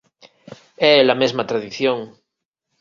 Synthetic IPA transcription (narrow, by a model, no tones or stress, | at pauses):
ɛlamezmat̪ɾaðiθjoŋ